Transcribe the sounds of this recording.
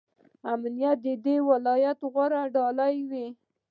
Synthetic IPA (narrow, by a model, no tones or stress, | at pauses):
amnijat̪̚d̪əd̪ewalɑjat̪ɣwaɾaɖɑlajwi